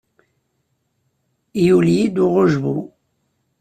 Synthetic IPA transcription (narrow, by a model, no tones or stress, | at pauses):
juljid̪uʁoʒbṵ